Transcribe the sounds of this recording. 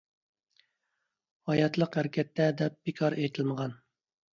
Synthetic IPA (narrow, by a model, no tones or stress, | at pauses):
hɑjɑt̪lˠəqhæɾkʲʰɛt̪ːɛd̪ɛp̚b̥ikʰɑɾejt̪ʰɪlməʁɑn